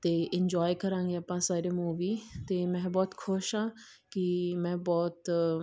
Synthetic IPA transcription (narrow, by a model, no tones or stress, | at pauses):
t̪eːʔɪɲd͡ʒɔːjkəɾãːŋɡiːaːpãːsaːɾeːmuːʋiːt̪eːmɛ̃ːbɔːt̪kʰʊʃɦãː | kɪmɛ̃ːbɔːt̪